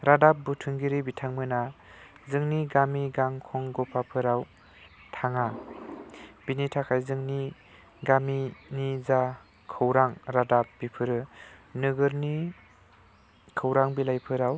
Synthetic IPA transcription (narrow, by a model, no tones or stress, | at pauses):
ɾadap̚butʰɯŋɡiɾibitʰaŋmɯnazɯŋniɡamiɡaŋkʰɔŋɡɔpʰapʰɯɾaw | tʰaŋa | b̥initʰakʰajzɯŋni | ɡaminiza | kʰɯwɾaŋɾadap̚b̥ipʰɯɾɯnɯɡɯɾni | kʰɯwɾaŋbilajpʰɯɾaw